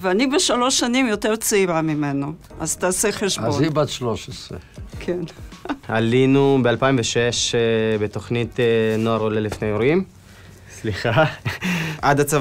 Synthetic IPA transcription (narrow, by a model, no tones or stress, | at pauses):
veanibeʃalo̞ʃanimjo̞teʁt͡siʁamimenoʔazt̪aseχeʃbozibat̪ʃloʃesʁekʰenalinubealpaimveʃeʃbet̪o̞χnit̪ːnoaʁolelifnejoɾim | sliχa | ʔad̪at͡sa